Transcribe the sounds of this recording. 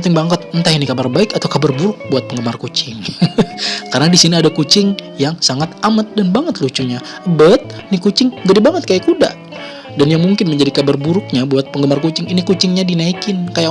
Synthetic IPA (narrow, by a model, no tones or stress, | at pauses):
t̪ɪŋbaŋkət̪̚ənt̪aɦinikabarbaɪkat̪awkabərbuɾʊk̚buat̪̚pəŋɡəmarkut͡ʃɪŋ | karənadisiniadakut͡ʃɪŋjaŋsaŋat̪amat̪̚danbaŋət̪lut͡ʃuɲa | əbət̪̚nikut͡ʃɪŋd͡ʒadibaŋət̪̚kajakuda̰ | danjaŋmuŋkɪnməɲd͡ʒadikabarbuɾʊk̚ɲabuat̪̚pəŋɡəmarkut͡ʃɪŋinikut͡ʃɪŋɲadinaikɪnkaja